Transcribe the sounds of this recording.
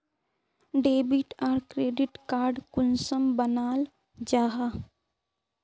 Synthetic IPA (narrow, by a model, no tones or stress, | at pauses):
ɖeːbɪʈaːɾkɾeːɖɪʈkaːɾɖkʊnsəmbənaːl | d͡ʒaːɦa